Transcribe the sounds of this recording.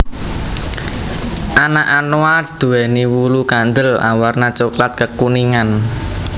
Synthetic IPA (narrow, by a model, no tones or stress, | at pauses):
ʔanaʔanoad̪̥ṳɛniwulukand̪əla̰warnat͡ʃoklat̪̚kəkuniŋan